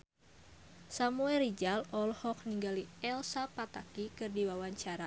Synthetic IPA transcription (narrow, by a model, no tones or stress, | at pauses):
samuɛrid͡ʒalɔlhɔk̚niŋɡaliɛlsapat̪akikɨrdiwawaɲt͡ʃaɾa